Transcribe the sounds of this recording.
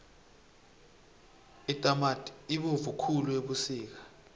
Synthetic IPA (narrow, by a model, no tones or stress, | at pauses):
itʼamatʼiɓuvukʰulueɓusiːk̬ḁ